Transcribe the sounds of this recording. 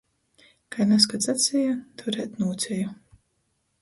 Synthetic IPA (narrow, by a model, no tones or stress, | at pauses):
kajnas̬kat̪sat̪sʲɛjat̪ʰuɾɛːt̪nuːt̪sʲɛju